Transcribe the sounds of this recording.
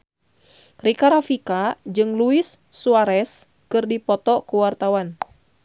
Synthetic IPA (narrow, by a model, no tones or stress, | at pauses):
rikaɾafikad͡ʒɨŋluisːuaɾɛs | kɨrdipɔt̪ɔkuwart̪awan